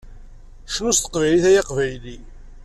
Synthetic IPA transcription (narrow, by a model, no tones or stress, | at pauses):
ʃnust̪ə̥qvæjliθæjɑqvæjli